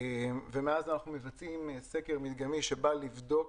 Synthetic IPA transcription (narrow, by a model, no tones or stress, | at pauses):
vemeazanaχnume̞vat͡simsekeʁmid̪ɡamiʃebalivdo̞k